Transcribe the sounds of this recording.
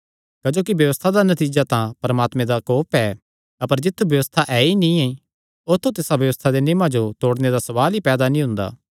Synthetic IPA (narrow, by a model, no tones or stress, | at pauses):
kɐd͡ʒoːkibjɐʋəst̪ʰad̪anɐt̪iːd͡ʒat̪ãpɐɾɐmaːt̪mẽd̪akoːpɛ | ɐpəɾd͡ʒɪt̪ʰːubjɐʋəst̪ʰaʔɛinĩẽi | ot̪ʰːot̪ɪsabjɐʋəst̪ʰad̪enɪmãd͡ʒot̪oːɽned̪asɐbaːlipɛːd̪anĩɦʊ̃nd̪a̰ː